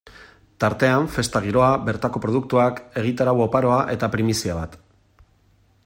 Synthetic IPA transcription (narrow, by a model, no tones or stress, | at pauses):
t̪aɾt̪e̞aɱfe̞st̪aɣ̞iɾo̞abe̞ɾt̪ako̞pɾo̞ð̞uk̚t̪uake̞ɣ̞it̪aɾawopaɾo̞aʔe̞t̪apɾimisiaβat̪